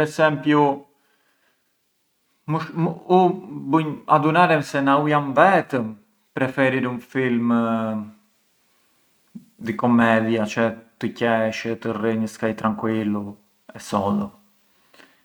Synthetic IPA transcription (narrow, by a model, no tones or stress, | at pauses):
pɛsɛmpju | muʃmubuɲad̪unaɾɛmsɛnaujamvɛt̪əm | pɾɛfɛɾiɾunfilm | d̪ikɔmɛðiat͡ʃɛt̪əcɛʃət̪əriɲəskajt̪ɾaŋkwilu | ɛsɔðɔ